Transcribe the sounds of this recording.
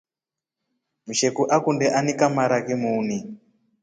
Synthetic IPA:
muʃekuʔakundɛʔanikamaɾakimuːni

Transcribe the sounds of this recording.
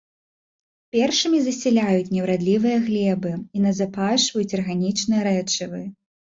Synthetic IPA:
pʲɛrʂɨmʲizɐsʲɛlʲajut͡sʲnʲɛwɾad̪lʲivɨjɐɣlʲɛbɨinɐzapaʂvɐjut͡sʲɐrɣanʲit͡ʂnɨjɐɾɛt͡ʂɨvɨ

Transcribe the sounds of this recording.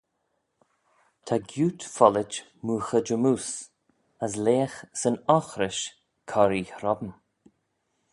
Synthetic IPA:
t̪ʰaɡjuːt̪fɔlɪt͡ʃ | muːxəd͡ʒəmuːs | əs̬leːxsənɔxɾɪʃ | kʰɔɾiːhɾɔbəm

